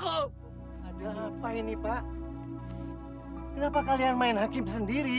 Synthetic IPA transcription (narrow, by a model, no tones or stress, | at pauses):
adaɦapainipaʔ | kənapakalianmaɪnɦakɪmbsəndiɾi